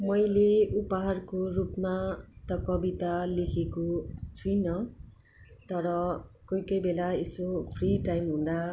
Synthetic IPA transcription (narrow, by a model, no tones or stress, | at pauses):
mʌjleupaɦarkorupmat̪ʌkʌbit̪alekʰekot͡sʰujnʌ | t̪ʌɾʌkʌjkʌjbelaesopʰriʈajmɦũnd̪a